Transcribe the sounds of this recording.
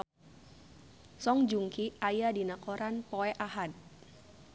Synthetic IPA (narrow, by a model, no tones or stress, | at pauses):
sɔŋd͡ʒuŋkiajadinakɔɾanpoɛʔaɦat̪̚